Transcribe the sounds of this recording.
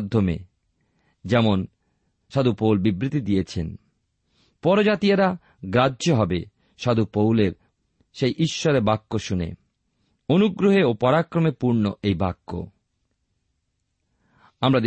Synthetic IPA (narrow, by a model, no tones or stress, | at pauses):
d̪ʱːomḛ | d͡ʑɛmon | ʃad̪upowlbibɾit̪id̪ijet͡ɕʰḛn | pɔɾod͡ʑat̪ijaɾa | ɡɾadoɦɔbe | ʃad̪ʱupowleɾ | ʃejʔiʃːɔɾeɾbakːoʃunḛ | onuɡɾoɦeopɔɾakɾomepuɾnoʔejbakːo̰ | amɾad̪